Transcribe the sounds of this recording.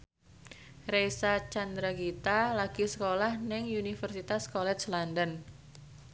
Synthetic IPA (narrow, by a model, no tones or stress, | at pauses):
rejsat͡ʃand̪ɾaɡit̪alaɡ̥isəkolahnɪŋunifərsit̪askɔlɛt͡ʃlandən